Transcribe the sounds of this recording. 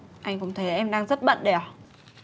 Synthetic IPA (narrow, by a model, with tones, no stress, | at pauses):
ʔa˧jŋ̟kʊ̰˧˨˥ŋ͡mt̪ʰe˨˦jʔɛ˧mɗaː˧ŋzə˦˥t̚ɓə̰˧˨nɗɛ˨˩